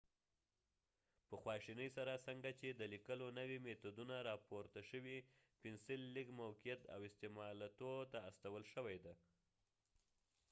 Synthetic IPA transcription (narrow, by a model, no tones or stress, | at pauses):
pəxwɑʃinəjsaɾasaŋɡat͡ʃed̪əlikəlonəwimet̪od̪unaɾɑpoɾt̪aʃəwi | pɪnsɪlːikmawkijat̪a̰wɪst̪emɑlat̪ot̪aːst̪awəlʃəwajd̪a